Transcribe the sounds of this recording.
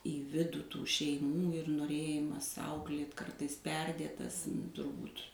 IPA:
iː ˈʋʲɪduː ˈtuː ʃʲɛɪˈmuː ɪr noːˈrʲeːjɪmɐs ˈɐʊklʲeːt ˈkɐrtɐɪs ˈpʲɛrʲdʲeːtɐs tʊrˈbuːt

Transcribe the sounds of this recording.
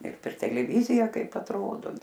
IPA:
ɪr pʲɛr tʲɛlʲɛˈʋʲiːzʲɪjɛ ˈkɐɪp ɐtˈroːdoː

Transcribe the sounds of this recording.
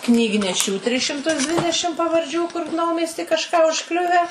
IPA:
knʲiːɡnʲɛˈʃʲuː tʲrʲɪs ʃʲɪmˈtʊs ˈdʲʋʲɪdʲɛʃʲɪm pɐʋɐrʲˈd͡ʒʲuː kʊr ˈnɐʊmʲiɛsʲtʲiː kɐʃˈkɑː ʊʃˈklʲʊʋʲæː

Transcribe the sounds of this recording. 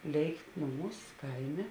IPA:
ˈlʲeːɪkt ˈnʊˌmuːs ˈkɐɪˌmʲeː

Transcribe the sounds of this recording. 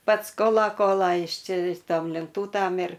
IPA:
ˈpɐts ˈkoːlˠɐ ˈkoːlˠɐ ˈjɪs ˈt͡ʃʲɪ ˈtoːm lʲɛnˈtuːtɐm ɪr

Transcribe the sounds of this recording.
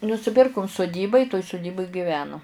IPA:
nʊsʲɪˈpʲɪrkʊm sʊˈdʲiːbɐ ɪ toːj sʊˈdʲiːbʊj ɡʲɪˈʋʲæːnʊ

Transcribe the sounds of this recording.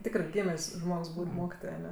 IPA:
ˈtʲɪkrɜ ˈɡʲiːmʲeːsʲ ˈʒmoːks ˈbuːtʲ ˈmoːkʲɪtoːj ɐˈnʲɛ

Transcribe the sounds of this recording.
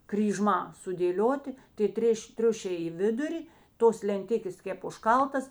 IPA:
krʲiːˈʒmɑː sʊdʲeːˈlʲoːtʲɪ tʲeː ˈtʲrʲeːʃʲ ˈtʲrʲʊʃʲɛɪ ɪ ˈʋʲɪdʊrʲɪ ˈtoːs lʲɛnʲˈtʲɪkʲeːs ˈkʲeːp ʊʃˈkɐlˠtɐs

